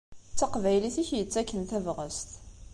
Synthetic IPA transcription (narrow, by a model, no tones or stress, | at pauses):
t͡sːæqvæjliθiçjət͡sːækːənθævʁəst̪